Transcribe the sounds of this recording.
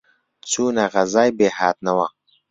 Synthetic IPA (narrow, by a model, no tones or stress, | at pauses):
t͡sunaɣazaːjbeːhaːt̪̚nawa